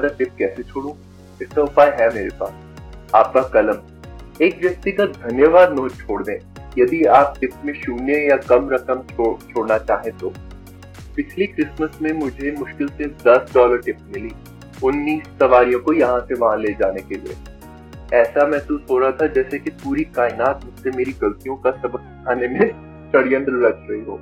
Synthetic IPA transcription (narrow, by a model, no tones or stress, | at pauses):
aɾaʈɪp̚kɛːset͡ʃʰoːɽũ | ɪskaʊpaːjɦɛmeːɾepa̰ːs | aːp̚kakɐləm | eːkʋjɐk̚t̪iɡət̪̚d̪ʱɐnjəʋaːd̪noːt͡ʃʰoːɽd̪ẽːjɐd̪iaːp̚ʈɪpmẽʃuːnejakɐmɾɐkəmt͡ʃʰoːt͡ʃʰoːɽnat͡ʃaːɦẽt̪oː | pɪt͡ʃʰlikɾɪsməsmẽmʊd͡ʒʱemʊʃkɪlsed̪ɐsɖɔːləɾʈɪpmɪliː | ʊnːiːsːɐʋaːɾijõkojɐɦãseʋɐɦãleːd͡ʒaːnekelḭḛ | ɛːsamɛ̃ːsuːsɦoːɾɐɦat̪ʰad͡ʒɛːsekipuːɾikaːɪnaːt̪mʊd͡ʒsemeːɾiɡɐlt̪ijõkasɐbək̚kʰaːnemẽ | ʃɐɽijə̃nd̪ɾɾɐt͡ʃɾɐɦiɦo̰ː